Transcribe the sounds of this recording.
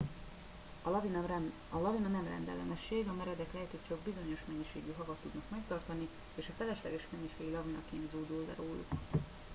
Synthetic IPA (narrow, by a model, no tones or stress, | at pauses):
vi | ɒlɒvinɒnɛmrɛ̰nd̪ɛ̰lɛnɛʃːeːɡɒmɛɾɛd̪ɛklɛɦɛt̪ʰoct͡ʃɒɡbizo̞ɲo̞ʃmɛɲːiʃeːɡyɦɒɡɒt̪ːud̪nɒkmɛkt̪ɒrt̪ɒni | eːʃɒfɛlɛʃlɛɡɛʃmɛɲːiʃeːɡilɒvinɒkeːnzuːd̪uːld̪ɛ̰ɾoːlṵk